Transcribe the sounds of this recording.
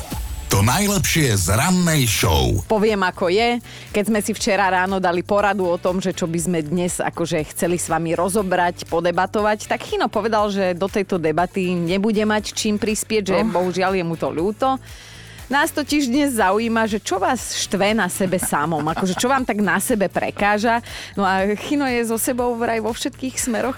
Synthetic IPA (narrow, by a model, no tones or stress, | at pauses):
t̪ɔnajlɛpʃɪɛzɾanːɛjʃɔ̰ʊpɔʋɪɛmakɔjɛ | kɛzmɛsift͡ʃɛɾaɾaːnɔd̪alipɔɾad̪uɔt̪ɔmʒɛt͡ʃɔbizmɛd̪ɲɛza̰kɔʒɛxt͡sɛlisʋamiɾɔzɔbɾacpɔd̪ɛbat̪ɔʋact̪akxinɔpɔʋɛd̪alʒɛd̪ɔt̪ɛjt̪ɔd̪ɛbat̪iɲɛbuɟɛmact͡ʃiːmpɾispɪɛɟʒɛbɔɦuʒɪaljɛmut̪ɔ̰ʎuːt̪ɔ | naːst̪ɔciʒd̪ɲɛzːauiːmaʒɛt͡ʃɔʋaːsʃt̪ʋɛnasɛbɛsamɔmakɔʒɛt͡ʃɔʋaːmt̪aɡnasɛbɛpɾɛ̰kaːʒanɔaxinɔjɛzɔsɛbɔʊɾajʋɔfʃɛt̪̚kiːxsmɛɾɔx